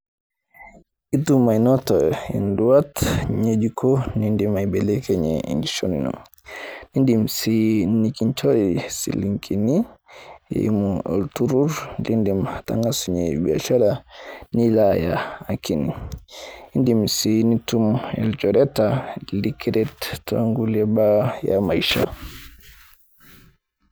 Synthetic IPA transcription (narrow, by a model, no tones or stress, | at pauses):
itumːajnɔtɔɛɛ̰nduwatɲed͡ʒikʰɔnindimajbɛlɛkɛɲɛ̰niʃonḭnɔ̰m | nindimsinikiɲt͡ʃɔjisḭliŋkinijɛ̰imɔɔ̰ltuɾuɾnlindimata̰ŋɡasuɲɛbiaʃaɾanilajaakini | indimsinitumɛ̰ld͡ʒɔɾɛtalikiɾɛtto̰ŋɡulɛbaja̰maiʃa̰